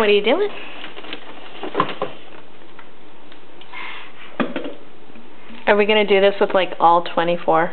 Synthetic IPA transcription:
wʌɾəjɨdʉɪ̃ŋ | ʔə˞wiɡʌñɨdɨðɪswəð̥laɪkʰɔlˠtʰw̥ɛ̃ɾ̃ifɔɹ

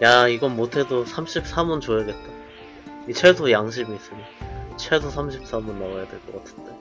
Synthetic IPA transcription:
jaiɡʌnmotʰe̞dosʰamɕʰip̚s͈amunt͡ɕojʌɡe̞t̚t͈a | it͡ɕʰesʰojaŋɕ̬ʰimiːs͈ɯɲit͡ɕʰwesʰosʰamɕ̬ʰip̚s͈amunːaɡajadweɭk͈ʌk͈atʰɯ̥nde

